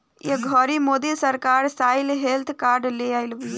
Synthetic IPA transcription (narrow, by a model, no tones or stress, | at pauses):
iɡʱɔːɾimoːd̪isɐɾkaːɾsaːjlɦeːlt̪ʰkaːɾɖlejajlu